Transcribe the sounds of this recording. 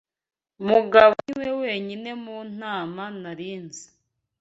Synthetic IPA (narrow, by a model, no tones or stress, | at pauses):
muɡaβoiwewe̞ːɲine̞muːn̥aːmanaɾiːnze